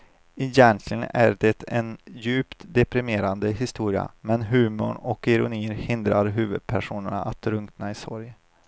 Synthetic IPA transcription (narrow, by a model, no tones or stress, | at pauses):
ɛjɛnt̪ʰlɪɡənʔæɖɛt̪ʰɛnjʉ̟ːpt̪d̪ɛpɾɪmeːɾand̪əɦɪst̪uːɾɪa̰mɛnɦʉ̟ːmʊɳɔkɪɾʊniːɾhɪnd̪ɾaɾɦʉ̟ːvɵd̪̥̚pʰæʂuːnəɳaʔat̪ʰɾɵŋt̪naɪsɔ̰ɾj